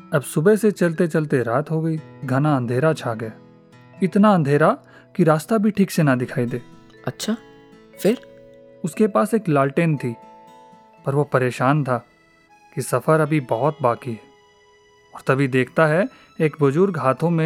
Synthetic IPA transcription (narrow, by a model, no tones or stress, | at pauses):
ɐbsʊbeset͡ʃɐlt̪et͡ʃɐlt̪eɾaːt̪ɦoɡɐiɡʱɐnaɐ̃nd̪ʱeːɾat͡ʃʰaɡɐja | ɪt̪naɐ̃nd̪ʱeːɾa | kiɾaːst̪abʱiʈʰiːksenad̪ɪkʰaːid̪eː | ɐtːʃʰaː | fɪɾ | ʊskepaːseːklaːlʈeːnt̪ʰi | pɐɾʋopɐɾeːʃaːnt̪ʰaː | kisɐfʰəɾɐbʱibɐɦʊt̪̚baːkiɦɛː | ɔːɾt̪ɐbʱid̪eːkʰt̪aɦɛ | eːkbɐd͡ʒʊɾɡɦaːt̪ʰõmẽ